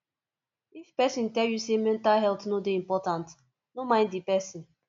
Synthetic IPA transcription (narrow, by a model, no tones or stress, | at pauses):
ifpɛsĩntɛljusemɛ̃ntalɦɛlt̪nodeĩmpɔtãnt | nomãɪ̃ndipɛsĩn